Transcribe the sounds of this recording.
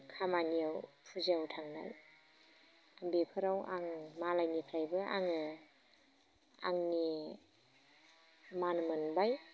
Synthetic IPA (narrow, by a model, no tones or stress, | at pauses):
kʰamanijawpʰuziawtʰaŋna̰j | ambepʰɯɾawaŋmalajnipʰɾajbɯʔa̰ŋɯ | a̰ŋni | manmɯnbaj